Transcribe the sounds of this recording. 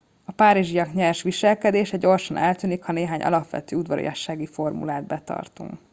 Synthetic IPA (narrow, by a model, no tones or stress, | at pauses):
ɒpaːɾiʒijɒkɲɛrʃʋiʃɛlkɛd̪eːʃɛɟɟo̞rʃɒnɛlt̪yːnikhɒneːɦaːɲʔɒ̰lɒpʋɛ̰t̪øːud̪ʋɒɾḭjɒʃːaːɡifo̞rmṵlaːd̪bɛt̪ɒ̰rt̪ṵŋk